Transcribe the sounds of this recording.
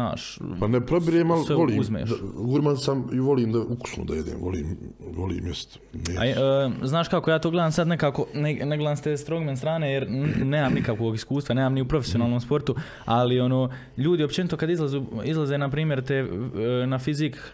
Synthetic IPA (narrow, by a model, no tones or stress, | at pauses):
a̰ːʃpanepɾobiɾeːmalsseʋoliːuzmḛʃɡuɾmansamiʋo̞liːmd̪auku̥sno̰d̪ajed̪ḛːmʋo̰lḭːmʋolḭːmjest̪ | mea̰ːznaːʃkako̞jaːt̪oːɡle̞d̪aːmsad̪nekaːko̞neneɡled̪aːnst̪eːst̪ɾoɡmenst̪ɾaːneːjeɾneːmamnikakʋo̞ːɡiskuːst̪ʋaneːmamniupɾo̞fesio̞naːlnomspo̞ɾt̪u | alio̞noː | ʎuːd̪io̞pt͡ʃenit̪o̞kad̪izlˠazuːizlˠazeːnapɾiːmje̞ɾt̪eːnafizik